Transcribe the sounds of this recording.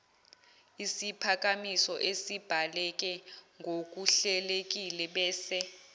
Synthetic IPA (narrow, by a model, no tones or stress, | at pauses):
isipʰak̬ʼamisɔʔesib̥ʱalɛk̬ʼɛŋɡʱok̬ʼuɬɛlek̬ʼilɛɓɛːsɛ